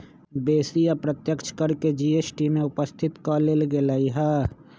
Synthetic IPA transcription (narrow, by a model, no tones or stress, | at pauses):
beːsijapɾət̪jəkt͡ʃkɐɾked͡ʒiːeːsʈimẽʊpəst̪ʰɪt̪kalelɡelaːiɦɛː